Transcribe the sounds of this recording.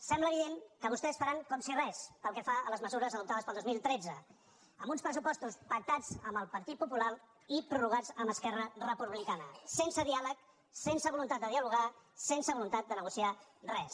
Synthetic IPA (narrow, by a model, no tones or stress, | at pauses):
sɛmbləːβiðeŋkəβ̞ust̪ɛsfəɾaŋkɔmsirɛspəlˠkɛfaələzməzuɾəzəðupt̪aðəspəlˠd̪ozmilˠt̪ɾed͡zə | əmbunspɾəs̬upɔst̪uspək̚t̪ad͡zəmbəlˠpəɾt̪it̪̚pupulaɾ | ipɾuruɣ̞ad͡zəmbəskɛrərəpuβlikanəsensəðialək | sensəβulunt̪at̪̚d̪əðiəluɣasensəβulunt̪at̪̚d̪ənəɣusiarɛs